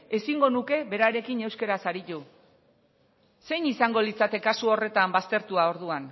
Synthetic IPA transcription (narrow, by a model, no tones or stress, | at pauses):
e̞siŋɡo̞nuke̞βe̞ɾaɾe̞kine̞wske̞ɾasaɾit̪u | se̞jnisaŋɡo̞lit͡sat̪e̞kasuo̞re̞t̪ambast̪e̞ɾt̪uao̞ɾð̞uan